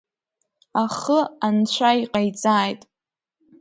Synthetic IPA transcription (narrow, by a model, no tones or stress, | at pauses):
aχəant͡ɕʷʰaiqʼajt͡sʼaːjtʼ